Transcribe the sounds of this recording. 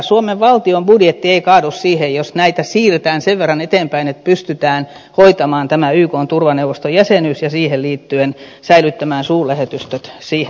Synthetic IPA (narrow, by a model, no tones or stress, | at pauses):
suomeʋʋɑlt̪iombudjet̪ːieikɑːdussiːhejjosnæit̪æsiːret̪æːnseʋʋerːɑnet̪eːˑmpæinet̪̚pyst̪yt̪æːn | hoit̪ɑmɑːnt̪æmæyːkoːnt̪urʋɑneuʋost̪ojæsenyˑsjɑsiːhelliːt̪ːyensæilyt̪ːæmæːnsuːrlæhet̪yst̪øt̪siːhe